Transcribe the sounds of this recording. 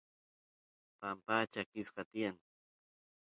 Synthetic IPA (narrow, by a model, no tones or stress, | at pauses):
pampaːt͡ʃakɪsɢɑt̪ɪjaŋ